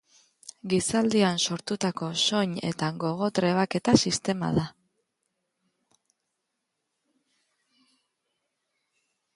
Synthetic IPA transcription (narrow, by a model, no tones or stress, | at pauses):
ɡisald̪ianso̞ɾt̪ut̪ako̞so̞ɲe̞̰t̪aɡo̞ɣ̞o̞t̪ɾe̞β̞ake̞t̪asist̪e̞ma̰ð̞a